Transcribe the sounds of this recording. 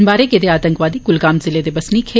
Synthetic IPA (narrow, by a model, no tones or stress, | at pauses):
nbaːɾeɡed̪eaːt̪ə̃ŋkʋaːd̪iɡʊlɡaːmzɪled̪ebɐsnikʰeː